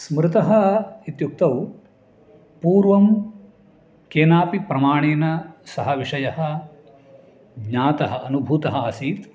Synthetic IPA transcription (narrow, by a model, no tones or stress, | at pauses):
smɾɪt̪ɐɦɐit̪juk̚t̪ɐw | puːɾʋɐm | keːnaːpipɾɐmaːɳeːnɐsɐɦɐʋiʂɐjɐɦɐ̆ | ɡɲaːt̪ɐɦɐʔɐnubʱuːt̪ɐɦɐːsiːt̪